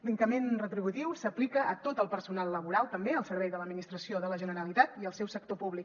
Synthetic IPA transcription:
biŋkəmenrət̪ɾiβut̪iwsəplikəʔːt̪ot̪əlˠpərsunalˠːəβuɾalˠt̪əmbeəlˠsəɾβɛjðələd̪minist̪ɾəsioðələʒənəɾəlit̪at̪iəlˠsɛwsək̚t̪opuβlik

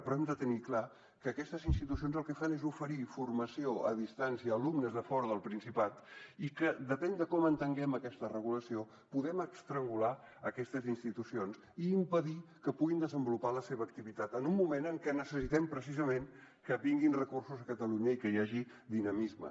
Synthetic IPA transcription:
pɾɔɛmd̪ət̪ənikla | kəːkɛst̪əzinst̪it̪usionzəlˠkɛfanezufəɾifurməsioə̰ðist̪ansiəːlumnəzðəfɔɾəðəlˠpɾinsipat̪ikəd̪əpɛnd̪əkɔmənt̪əŋɡɛməkɛst̪ərəɣuləsio | puðɛməkst̪ɾəŋɡula | əkɛst̪əzinst̪it̪usions | iːmpəðikəpuɣind̪əzəmbulupaləseβəːk̚t̪iβit̪at̪ənumːumenəŋkɛnəsəsit̪ɛmpɾəs̬izəmen | kəβiŋɡinrəkursuzəkət̪əluɲəikəjaʒi | d̪inəmizmə̰

